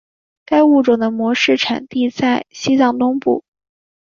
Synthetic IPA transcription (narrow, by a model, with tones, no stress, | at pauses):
ka˥ɪu˥˩ʈ͡ʂʊ˨˩d̪ə˦mwɔ˧˥ʂɻ̩˥˩ʈ͡ʂʰa̰˨˩nt̪i˥˧t͡sa˥˩ɪɕi˥t͡sɑ˥˩ŋt̪ʊ˥ŋpu˥˩